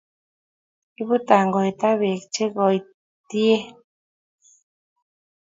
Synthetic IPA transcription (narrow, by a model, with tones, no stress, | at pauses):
i˦βu˦t̪a˨ŋɡo˨jt̪a˦βi˨kt͡ʃe˦ɡo˨j | t̪i˦e˦